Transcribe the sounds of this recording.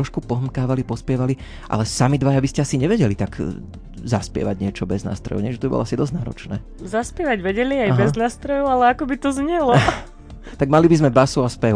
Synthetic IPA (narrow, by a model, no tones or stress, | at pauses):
ɾɔʃkupɔɦmkaːʋalipɔspɪɛʋali | ʔa̰lɛsamid̪ʋajabiscɛasiɲɛʋɛɟɛlit̪aɡ | zaspɪɛ̰ʋaɟɲɪɛt͡ʃɔbɛzna̰ːst̪ɾɔ̰jɔ̰ʊɲɛʒɛt̪ɔbibɔ̰lɔ̰asid̪ɔzɟnaːɾɔ̰t͡ʃnɛ̰ː | zaspjɛʋaɟʋɛɟɛliajɦbɛznaːst̪ɾɔjɔalɛakɔbit̪ɔzɲɛlɔ | t̪aɡ̚malibizmɛbasuaspɛ